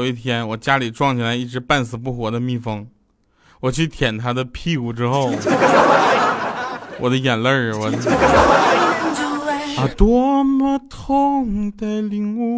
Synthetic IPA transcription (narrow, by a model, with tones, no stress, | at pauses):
i˥˩t̪ʰjɛ˥nwɔ˨˩t͡ɕja˥li˨˩ʈ͡ʂwɑ˥˩ŋt͡ɕʰi˨˩la˧˥ɪi˥˩ʈ͡ʂɻ̩˧˥pa˥˩nsɹ̩˨˩p̬u˥˩xwɔ˧˥d̪ə˧mi˥˩fɤ˥ŋ | wɔ˨˩t͡ɕʰy˥˩t̪ʰjɛ˨˩nt̪ʰa˥d̪ə˨pʰi˥˧u˨˩ʈ͡ʂɻ̩˥xo˥˩ʊ˥˧ | wɔ˨˩d̪ə˦jɛ˨˩nlə˥˧ɻ̩˨˩wə˧˩˥ | t̪wɔ˥mə˧t̪ʰʊ˥ŋt̪a˧ɪli˧˩ŋu˧